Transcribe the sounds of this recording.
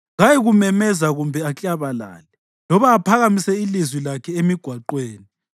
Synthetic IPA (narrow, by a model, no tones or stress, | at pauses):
ŋajiɣumɛmɛzaɣumbʱɛat͡ɬʼaβala̰ːlɛ | lɔβaːpʰaɣamisɛilizwilakʰɛemiɡ̥ʱwaǃweːni